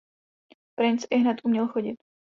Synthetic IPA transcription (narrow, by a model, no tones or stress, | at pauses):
pɾɪnt͡sɪɦnɛt̪ʔumɲɛlxoɟɪt̪